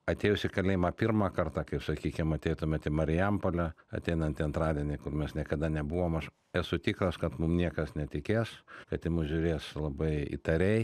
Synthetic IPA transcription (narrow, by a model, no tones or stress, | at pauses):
ɐt̪ʲeːjʊsʲɪkɐlʲeːjmɑpʲirmɑːkɐrt̪ɑːkɐɪpsɐkʲiːkʲɪmɐt̪ʲɛɪt̪ʊmʲɛt̪ʲɪmɐɾʲɪjɛmpolʲɛɐ̰t̪ʲɛɪnɐnt̪ʲɪɐnt̪ɾɑːd̪ʲiɛnʲɪkʊrmʲɛsnʲiɛkɐd̪ɐnʲɛbuʋoːmɐʃ | ɛsʊt̪ʲiːkɾɐskɐt̪mʊmnʲiɛkɐsnʲɛt̪ʲɪkʲeːskɐt̪ʲɪmʊʒʲʊɾʲeːslˠɐbɐɪḭt̪ɐɾʲɛɪ